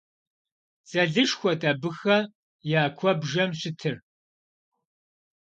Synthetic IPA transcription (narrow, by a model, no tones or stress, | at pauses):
t͡sʼɐɮɨʂxʷɔtʼabɨxɐ | jaːkʷʰɔbʒɐmɕɪtʰɨr